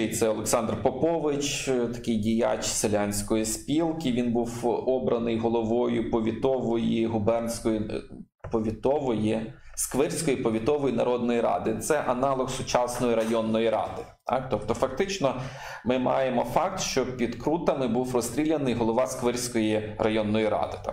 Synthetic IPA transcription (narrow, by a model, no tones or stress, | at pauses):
ejt̪sɛɔlˠeksɑnd̪rpɔpɔʋɪt͡ʃt̪ɐ̥kɪjdʲija̰t͡ʃselʲanʲsʲkɔjispʲilˠkɪʋʲinbuwɔbɾɐnɪjɦɔlˠɔʋɔjʊpɔʋʲit̪ɔʋɔjiɦʊbɛrnsʲkɔji | pɔʋʲit̪ɔʋɔji | skʋɪrʲsʲkɔjipɔʋʲit̪ɔʋɔjinɐɾɔd̪̚nɔjɾɑ̰d̪ɪt̪sɛʔɐnɑlˠɔxsʊt͡ʃɑsnɔjiɾɐjɔnːɔjiɾɑ̰d̪ɪ | t̪ɑ̰kt̪ɔpt̪ɔfɐkt̪ɪt͡ʃnɔ | mɪmɑ̰jemɔfɑkt̪ʃt͡ʃɔpʲid̪kɾut̪ɐmɪbuwrɔst̪ʲɾʲilʲɐnɪjɦɔlˠɔʋɑskʋɪrʲsʲkɔjirʔɐjɔnːɔjiɾɑ̰d̪ɪt̪ɑ̰